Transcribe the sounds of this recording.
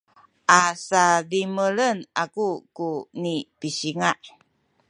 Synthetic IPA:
ʔasadimələnakukunipiɕiŋaʔ

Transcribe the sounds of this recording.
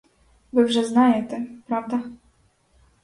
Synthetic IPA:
vɨwʐɛznajɛt̪ʲɛpɾavd̪a

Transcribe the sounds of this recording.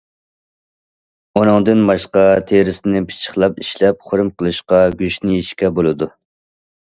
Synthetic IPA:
onɨŋd̪ɨnmɑʃqɑt̪ʰeɾɪsɪnɪpʰi̥t͡ʃʰə̥χlˠɑpiʃlɛp̚χoɾmqʰəlˠɨʃqɑɡʲyʃnɪiʃkʲɛbolˠɨd̪u

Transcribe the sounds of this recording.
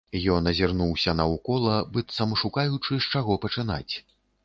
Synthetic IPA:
jɔnɐzʲirnuwsʲɐnɐukɔlˠɐbɨt̪sɐmʂukajut͡ʂɨʂt͡ʂaɣɔpɐt͡ʂɨna̰t͡sʲ

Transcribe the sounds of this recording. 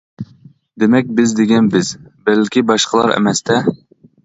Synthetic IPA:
d̪emɛk̚ʲbɪzd̪eɡʲɛnbɪzbɛlkʲibɑʃqʰəlˠɑ̰ɾɛ̰mɛst̪ʰɛ

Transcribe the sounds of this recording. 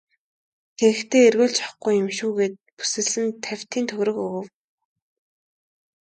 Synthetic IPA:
xeɾɘ̆kt̪ʰeːerɣoːɮt͡ɕɔ̥χɡujɵ̆mʃuːɣeːt̪̚pu̥sɘ̆ɮɘ̆nt̪ʰːæw̥ʲt̪ʰiːnt̪ʰɵɣɾɵ̆kɵɣɵ̆w

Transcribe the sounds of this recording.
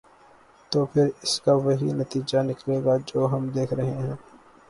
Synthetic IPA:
t̪oːpʰɪɾɪskaʋɐɦḭnɐt̪iːd͡ʒanɪkleːɡad͡ʒoːɦɐmd̪eːkʰɾɐɦẽɦɛ̃ː

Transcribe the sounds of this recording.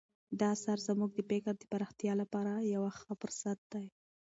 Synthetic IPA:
d̪ɑsaɾzəmuɡd̪əpekaɾd̪əpaɾɑxt̪jɑlapɑɾajawaxapəɾsat̪̚d̪aj

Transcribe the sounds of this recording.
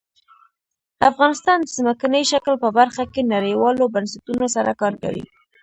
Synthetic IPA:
afɣɑnɪst̪ɑnd̪əzməkanəjʃaklpəbaɾxakenaɾəjwɑlobansat̪unosaɾakɑɾka̰wḭ

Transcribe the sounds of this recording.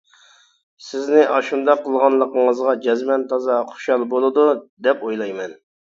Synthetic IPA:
sɪznɪʔɑʃund̪ɑqːəlˠʁɑnlˠəqəŋəzʁɑd͡ʒɛzmɛnt̪ʰɑzɑχo̥ʃɑlˠbolˠɨd̪ud̪ɛpojlˠɑjmɛn

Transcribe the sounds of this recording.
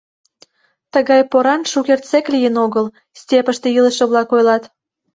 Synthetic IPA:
t̪əɣɑjpoɾɑnʃukert̪t͡seklʲijənoɣəl | sʲtʲepəʃt̪eiləʃə̆βlɑkojlɑt̪

